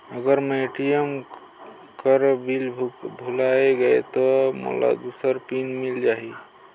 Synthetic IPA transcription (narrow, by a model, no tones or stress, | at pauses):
əɡəɾmeʈijəm | kəɾbilʱbʱulaeɡəḛt̪ɔmo̰la̰d̪usəɾpinmild͡ʒaɦi